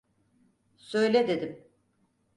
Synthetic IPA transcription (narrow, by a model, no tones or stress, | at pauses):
sø̞jlʲɛd̪ed̪im